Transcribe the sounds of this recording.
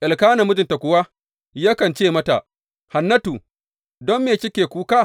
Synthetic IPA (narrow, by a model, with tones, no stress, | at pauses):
ʔɪ˨lkaː˦nɐ˨mʊ˦d͡ʒɪ˨nta˨kʷʊ˨waː˦ | ja˦kɐ˨nt͡ʃeː˦˨mɐ˦ta˨ʔ | ha˨nːɐ˦tuː˨ | dɔ˦mːeː˨t͡ʃɪ˦kʲeː˨kʷuː˦kaː˦˨